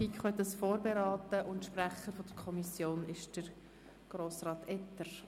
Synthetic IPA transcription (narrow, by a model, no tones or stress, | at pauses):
ikχœt̪əsfoːɾbeɾɑːt̪əʔʊntʃpræχəɾfod̥̪əɾkʰɔmisjoːnɪʃd̥əɾ | ɡ̥ɾoːsrɑːt̪ɛt̪ːəɾ